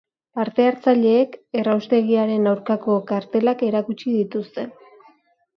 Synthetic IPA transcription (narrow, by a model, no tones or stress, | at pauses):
paɾt̪e̞aɾt͡saʎe̞ːke̞rawst̪e̞ɣiaɾe̞nawɾkako̞kaɾt̪e̞lake̞ɾakut͡ʃiðit̪ust̪e̞n